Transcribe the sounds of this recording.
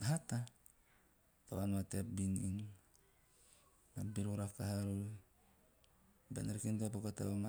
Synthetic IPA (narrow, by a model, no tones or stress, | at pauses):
ɦata | taβanmatepbinḭn | nabiɾuɾakaɦaɾu | benaɾkintuapakota̰βama